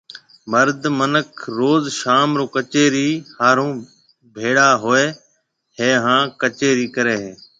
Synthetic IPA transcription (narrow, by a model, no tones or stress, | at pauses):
məɾd̪ʱmənəkʰɾoːzʃaːmɾoːkət͡ʃeːɾiːhaːɾũː | bʱeːɽaːɦoːeː | ɦeːɦãːkət͡ʃeːɾiːkəɾeːɦeː